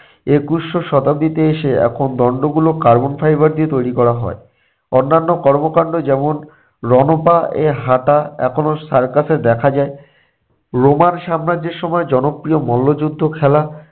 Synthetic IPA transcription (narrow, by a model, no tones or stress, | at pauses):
ekusʃoʃɔt̪ab̚d̪it̪eeʃeɛ̰kʰond̪ɔɳɖoɡulokaɾbonfajbaɾd̪iot̪ojɾikɔɾaɦɔ̰e | onːanːokɔɾmokaɳɖod͡ʑɛmon | ɾɔnopaḛɦaʈaɛ̰kʰonosaɾkasʰeɾd̪ɛkʰad͡ʑae | ɾomanʃamɾadd͡ʑeɾʃɔmɔed͡ʑɔnopɾiomɔlːod͡ʑud̪ʱːokʰɛla